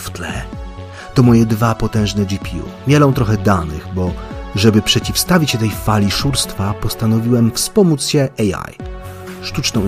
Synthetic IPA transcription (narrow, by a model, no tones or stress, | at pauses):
ft̪lɛ | t̪ɔmɔjɛd̪vapɔt̪ɛ̃w̃ʐnɛd͡ʑipʲiṵmʲjɛlɔ̃w̃t̪ɾɔxɛd̪anɘɣbɔʐɛbɘpʂɛt͡ɕifst̪avʲit͡ɕt̪ɛjfalʲiʂuɾst̪fapɔst̪anɔvʲiwɛmfspɔmut̪sɕɛʔɛja̰j | ʂt̪ut͡ʂnɔ̃w̃